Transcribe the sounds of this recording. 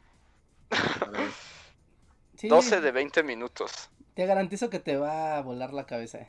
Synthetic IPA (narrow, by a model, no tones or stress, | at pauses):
sid̪oseðeβejnt̪emĩnut̪o̰st̪eɣaɾant̪iso̞ke̞t̪eβaβo̞laɾlakaβe̞sa̰